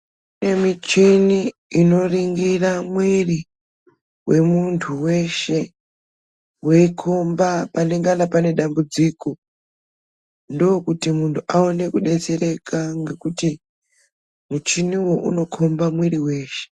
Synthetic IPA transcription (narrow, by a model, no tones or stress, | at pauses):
une̞mit͡ʃiniino̞riŋɡiramwiri | wʔe̞muntʰuwe̞ʃe̞ | we̞ikʰo̞mbapaneŋɡanapane̞ɗambud͡ziːko̞ | ndokutimuntʰuʔao̞ne̞kuɗe̞t͡se̞ɾe̞kʰaŋɡe̞kuti | mut͡ʃiniwo̞ʔṵno̞kʰo̞mbamwiɾiwe̞ːʃe̥